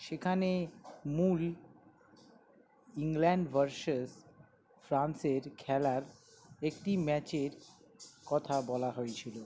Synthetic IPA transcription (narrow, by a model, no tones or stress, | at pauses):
ʃekʰanemul | iŋlɛɳɖbʱəɾʃes | fɾanseɾkʰɛlaɾ | ekʈimɛt͡ɕeɾ | kɔt̪ʰabɔlaɦoet͡ɕʰilo